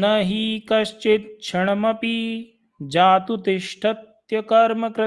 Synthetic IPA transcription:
nɐɦikɐʃt͡ʃet̪̚t͡ʃʰɐɳɐmɐpi | d͡ʒaːt̪ut̪iʃʈʰɐt̪ | jɐkɐɾmɐkɾɐ

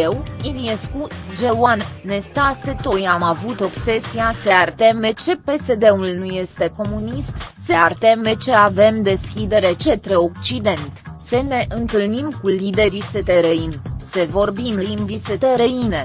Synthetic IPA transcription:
ewinieskud͡ʒewannest̪aset̪ojamavut̪o̞bse̞siaseart̪e̞me̞t͡ʃe̞pe̞sed̪e̞ulnuje̞st̪e̞ko̞munist̪seart̪eme̞t͡ʃe̞ave̞md̪e̞skʲid̪e̞ɾe̞t͡ʃe̞t̪ɾeok̚t͡ʃid̪e̞nt̪səne̞ʔɨnt̪ɨlnimkulid̪e̞ɾiset̪eɾəinsəvo̞rbimlimbiset̪eɾəine

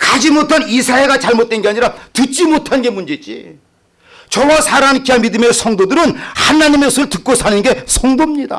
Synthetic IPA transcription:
kad͡ʑimotʰanisʰae̞ɡat͡ɕaɭmot̚t͈wenɡeaɲiɾatɯt͡ɕ͈imotʰanɡe̞mund͡ʑe̞d͡ʑḭ | t͡ɕʌwasʰaɾankiamidɯme̞sʰʌŋdodɯɾɯnhanaɲimesʰɯɯɭtɯk̚k͈osʰanɯnɡe̞sʰʌŋdomɲida̰

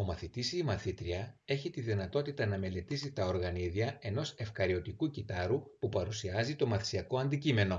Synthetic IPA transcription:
o̞mɐθit̪isiːmɐθit̪ɾiɐe̞çit̪iðinɐt̪o̞t̪it̪ɐnɐme̞le̞t̪isit̪ɐo̞ɾɣɐniðiɐe̞no̞se̞fkɐɾio̞t̪ikucit̪ɐɾupupɐɾusiɐzit̪o̞mɐθi̥siɐko̞ɐnd̪icime̞no̞

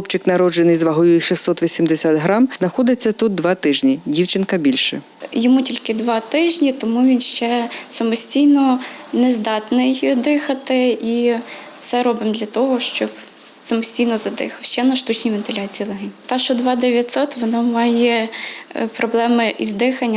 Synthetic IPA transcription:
ɔpt͡ʃɪknɐɾɔd͡ʒenɪjzʋɐɦujujɛʃisːɔt̪ʋʲisʲimd̪esʲat̪ɦɾɑmznɐxɔd̪ɪt͡sʲːɐt̪ut̪̚d̪ʋɑt̪ɪʒnʲidʲiwt͡ʃɪnkɐbʲilʲʃɛ | jɔmutʲilʲkɪd̪ʋɑt̪ɪʒnʲit̪ɔmuʋʲinʃt͡ʃɛsɐmɔsʲtʲijnɔnezd̪ɑt̪nɪjd̪ɪxɐt̪ɪi | wsɛɾɔbɪmd̪lʲɐt̪ɔɦɔʃt͡ʃɔp | sɐmɔsʲtʲijnɔzɐd̪ɪ̰xɐwʃt͡ʃɛnɐʃt̪ut͡ʃnʲijʋʲent̪ɪlʲɑt͡sʲijilˠɛɦenʲt̪ɑʃɔd̪ʋɑd̪eʋʲjɐt̪ʲsɔt̪ʋɔnɔmɑjɛ | pɾɔblˠɛmɪʔizd̪ɪxɐnʲːɐ

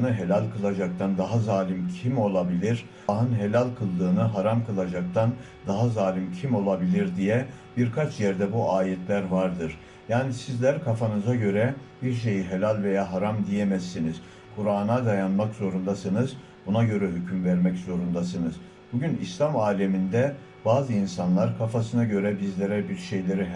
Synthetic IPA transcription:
nɯɦe̞lʲalʲkʰɯlˠad͡ʒak̚t̪ʰand̪aɦazaːlʲimcʰimo̞lˠabilʲiɾ̥ | ɦɯnɦe̞lʲalʲkʰɯlˠd̪ɯːnɯɦaɾamkʰɯlˠad͡ʒak̚t̪ʰan | d̪aɦazaːlʲimcʰimo̞lˠabilʲiɾd̪ijɛ | biɾkʰat͡ʃjɛɾd̪ɛbuʔaːjɛt̪ʰlʲæɾvaɾd̪ɯɾ̥ | jaːnisizlʲæɾkʰafanɯzaɟø̞ɾɛb̥iɾʃ̬e̞jiɦelʲalʲve̞jaːɦaɾamd̪ijɛmɛzːiniz̥ | kʰuɾaːnad̪ajanmakz̥o̞ɾund̪asɯnɯz | bunaɟø̞ɾɛɦycʰymvæɾmɛczo̞ɾund̪asɯnɯz | buɟynḭslʲamaːlʲemind̪ɛ | b̥aːzɯinsanlˠaɾkʰafasɯnaɟø̞ɾɛbizlʲe̞ɾɛbiɾʃe̞jlʲe̞ɾiɦ

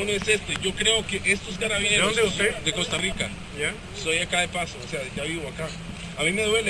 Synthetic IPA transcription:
oloese̞st̪eʝo̞kɾe̞o̞ke̞ʔe̞st̪oez̬ɡaɾaβjeoesed̪e̞ko̞st̪arika | a | sojakaðepasoːse̞aʝaβiβoaka | amime̞ðwe̞le

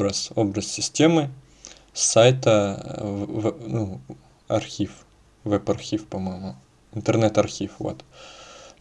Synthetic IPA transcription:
ɾəso̞bɾəssʲɪsʲtʲemɨ | sajt̪ə | vnu | ɐrxʲif | vɛpɐrxʲifpɐmojɪmʊ | ɪnt̪ɨrnɛt̪ɐrxʲifvo̰t̪

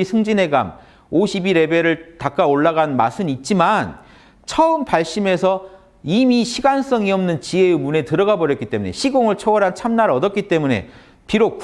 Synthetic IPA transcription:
sʰɯŋd͡ʑinɦe̞ɡa̰m | oɕʰibiɾe̞be̞ɾɯɭtak͈aoɭːaɡanma̰sʰɯnit̚t͡ɕ͈iman | t͡ɕʰʌɯmpaɭɕ͈ime̞sʰʌ | imiɕʰiɡans͈ʌŋiʌmnɯnt͡ɕie̞mune̞tɯɾʌɡabʌɾjʌk͈it͈e̞mune̞̰ɕʰiɡoŋɯɭt͡ɕʰʌwʌɾɦant͡ɕʰamnaɾʌdʌk͈it͈e̞mune̞̰ | piɾok

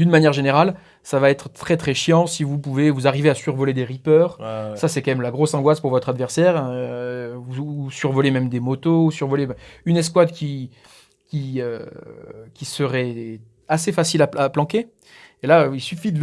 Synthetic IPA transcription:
d̪ynmanjɛʁʒeneʁal | savaɛt̪χət̪χɛt̪χɛʃjɑ̃sivupuvevuzaʁiveasyʁvɔled̪eʁipœːʁsasɛkɑ̃mɛmlaɡʁosɑ̃ɡwaspuʁvɔt̪χad̪vɛʁsɛʁɛ̃ | vusyʁvɔlemɛmd̪emɔt̪ousyʁvɔleɛ̃ynɛs̬kwad̪kʲi | kʲiø | kʲisəʁɛ | asefasilaaplɑ̃ke | elailsyfid̪ə

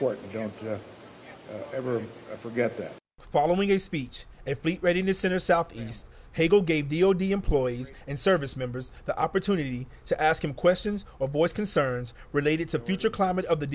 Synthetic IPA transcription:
ɔɹʔn̩dõʊ̃nt | ɛvə˞fə˞ɡɛt̪̚ðæ̰t̚ | fɑlˠoʊɪ̃ŋɨspit͡ʃ | ɨfliʔ̚ɹɛɾinɨsɨɪ̃ñə˞saʊθist̚ | heɪɡl̩ˠɡeɪvdioʊdiɨ̃mpʰl̥ɔɪiz | ɨ̃nsɜ˞vɨsmɛ̃mbə˞zðiʔɑpə˞tʰʉnɨɾiɾɨʔæskhɨ̃mkʰw̥ɛst͡ʃɨ̃nzə˞vɔɪskʰɨnsɜ̃˞nz | ɹɨleɪɾɨd̚tʰɨfjʉt͡ʃə˞kʰl̥ãɪ̃mɨɾʌvðɨd

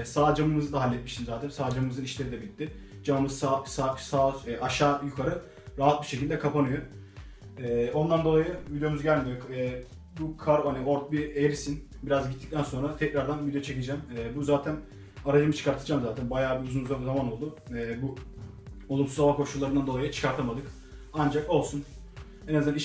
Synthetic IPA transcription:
saːd͡ʒamɯmɯzɯd̪aɦalʲːɛt̪̚miʃt̪ʰinzaːt̪ʰænsaːd͡ʒamɯmɯzɯniʃlʲe̞ɾid̪ɛbilʲit̪ːɪ | d͡ʒamamɯzsasasaːɛʔaʃaːjukʰaɾɯ | ɾaɦat̪̚biʃecilʲd̪ɛkʰapanɯjo | ɛo̞nd̪and̪o̞lˠajɯvid̪ejo̞muzɟælʲmʲid̪ʲjoɛː | bukʰaɾhanio̞ɾt̪̚biejɾisin | biɾazɟit̪ʰːic̚t̪ænso̞nɾat̪ʰɛcɾaɾd̪anvid̪ejot͡ʃʰe̞cid͡ʒɛːmɛːbuzaːt̪ʰæn | aɾad͡ʒɯmɯt͡ʃʰɯ̥kʰaɾt̪ʰɯd͡ʒaːmzaːt̪ʰænbajaːbiuzunuzazamano̞lˠd̪uɛːbu | o̞lˠumsuzaβakʰo̞ʃulˠːaɾɯnand̪o̞lˠajɯt͡ʃʰɯ̥kʰaɾt̪ʰamad̪ɯk | and͡ʒako̞lˠsun | henazaiʃ

